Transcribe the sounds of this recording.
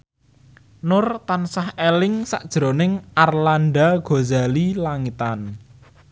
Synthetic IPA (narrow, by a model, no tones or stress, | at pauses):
nʊrt̪ansahelɪŋsa̰ʔd̥ʒ̥ɾonɪŋʔarlanɖaɡ̥ozalilaŋit̪an